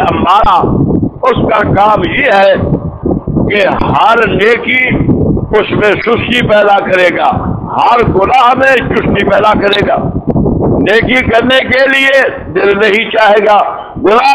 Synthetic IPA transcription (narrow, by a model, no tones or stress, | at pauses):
amaːɾaʊskakaːmjeːɦɛ | keɦɐɾneːki | ʊsmẽʃʊsnipɛːd̪akɐɾeːɡa̰ː | hɐɾɡʊlaːɦmẽt͡ʃʊsnipɛːd̪akɐɾeːɡaː | neːkikɐɾnekelie | d̪ɪlnɐɦĩt͡ʃaːɦeːɡaː | ɡʊlaː